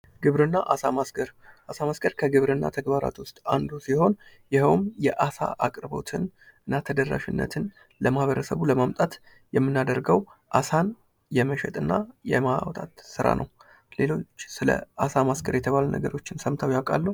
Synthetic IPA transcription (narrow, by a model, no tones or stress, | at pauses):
ɡ̥ɨβɾɨnːaʔasamasɡəɾʔasamasɡəɾkʰəɡɨβɾɨnːa̰t̪ʰəɡbaɾa̰t̪wʊst̪ʼa̰nd̪usiho̞n | jɪhəwmjɛʔasa̰ʔakʼɾɨbo̞̰t̪ʰɨn | ɨnːat̪ʰəd̪ərːa̰ʃɪnːə̰t̪ʰɨn | ləmahβəɾəsəβuləmamt̪ʼat̪ | jɛmːɨnːad̪əɾɡəwʔasan | jɛməʃɛt̪ʼɨnːajɛmawt̪ʼat̪sɨɾa̰nʔəw | le̞lo̞t͡ʃːsɨlə̰asamasɡəɾjɛt̪ʰəβalnə̰ɡəɾo̞t͡ʃːɪnsəmt̪ʰawjakʼalːəw